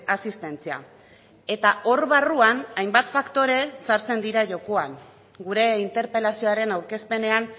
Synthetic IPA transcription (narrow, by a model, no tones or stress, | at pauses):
asist̪e̞nt͡sia̰ | e̞t̪ao̞ɾβaruanajmbat̪fakt̪o̞ɾe̞saɾt͡se̞nd̪iɾaʝo̞ko̞aŋ | ɡuɾe̞int̪e̞ɾpe̞lasio̞aɾe̞nawɾke̞spe̞ne̞an